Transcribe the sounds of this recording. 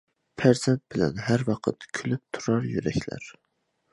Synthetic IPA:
pʰæɾzɛnt̪̚b̥ɪlɛ̰nɦæɾwɑqʰə̰t̪kʲʰylyp̚t̪ʰuɾɑɾjyɾɛ̰kʲlæ̰ɾ

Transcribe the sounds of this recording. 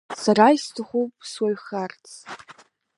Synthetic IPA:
saɾaistʰɨχʷupʼswaɥχart͡sʰ

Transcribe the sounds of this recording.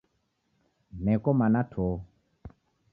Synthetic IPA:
nɛkɔmanatʰɔ

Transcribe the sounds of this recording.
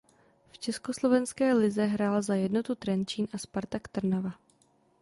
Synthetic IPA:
ft͡ʃɛsko̞slo̞vɛnskɛːlɪzɛɦɾaːlzajɛdno̞t̪ut̪ɾɛnt͡ʃiːnʔaspaɾt̪akt̪r̩nava

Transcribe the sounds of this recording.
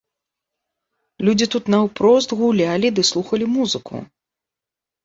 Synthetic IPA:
lʲud͡zʲit̪ut̪nɐwpɾɔst̪ɣulʲalʲid̪ɨslˠuxɐlʲimuzɨkʰṵ

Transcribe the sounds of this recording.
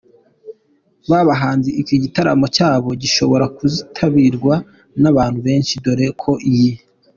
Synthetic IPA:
βaβaɦaːnziicoɟitaɾamo̞caːβo̞ɟiʃo̞βo̞ɾakuzitʰaβiɾɡwa | naβaːn̥huβe̞ːnʃido̞ɾe̞kʰo̞ʔiji

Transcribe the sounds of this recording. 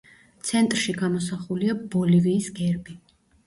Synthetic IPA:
t̪sʰɛnt̪ʼɾʃiɡamɔs̬aχuliabɔliviːsɡɛɾbi

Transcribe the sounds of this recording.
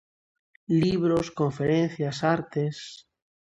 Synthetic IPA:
liβ̞ɾoskoɱfeɾen̟θjasaɾt̪es

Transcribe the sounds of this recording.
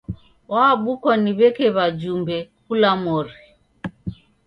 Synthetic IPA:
waːɓukɔniβɛkɛβad͡ʒumbɛkulamɔɾi

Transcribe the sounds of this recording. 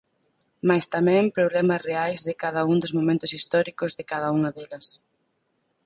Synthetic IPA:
majst̪amɛ̃ŋpɾoβlɛmɐsreajzðɪkaðɐuŋd̪ʊzmomẽnt̪ʊsist̪ɔɾikʊzðɪkaðɐuŋɐðɛlɐs

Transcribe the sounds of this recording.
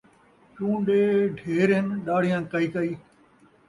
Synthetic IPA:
t͡ʃũːɖeːɖʱeeːɾɦɪnɗaːɽ̤ɪjãːkɐiːkɐiː

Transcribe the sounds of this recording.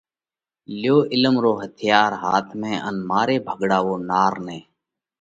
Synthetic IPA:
ljoːʔɪləmɾoːɦət̪ʰɪjaːɾɦaːt̪ʰmẽːʔə̰nmaːɾeːbʱəɡɽaːʋoːnaːɾnẽː

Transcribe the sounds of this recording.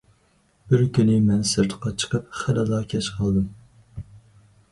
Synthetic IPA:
b̥ɪɾkʲynɪmɛnsɨɾt̪ʰəqɑt͡ʃʰə̥qəp̚χælɨlˠɑkʲʰɛʃqʰɑlˠd̪ɨm

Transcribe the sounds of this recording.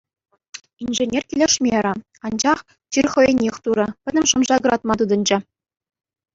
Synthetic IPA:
inʲʐĕnʲerʲkʲilʲeʂmʲeɾʲɘ̆ | ɑnd͡ʑɑχ | t͡ɕirʲχɤ̆jenʲexʲt̪uɾɤ̆pʲɘ̆d̪ʲɘ̆mʂɤ̆mʐɑɡɤ̆ɑt̪mɑt̪ud̪ɤ̆nd͡ʑɘ̆

